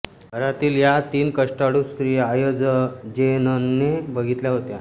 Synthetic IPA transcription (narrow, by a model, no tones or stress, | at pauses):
əɾat̪iːljat̪iːnkəʂʈaɽust̪ɾiːajod͡zəd͡ʑenənːebəɡʱit̪ljaɦot̪ja